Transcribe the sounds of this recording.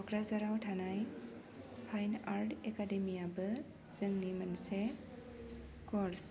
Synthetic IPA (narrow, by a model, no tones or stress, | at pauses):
ɔkɾazaɾawtʰanaj | pʰajnaɾdɛkademiabɯ | z̥ɯŋnimanse | kɔɾs